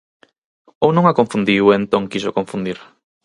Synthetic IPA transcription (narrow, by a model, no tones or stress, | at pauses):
ownõŋakõɱfund̪iwent̪oŋkiʃokoɱfund̪iɾ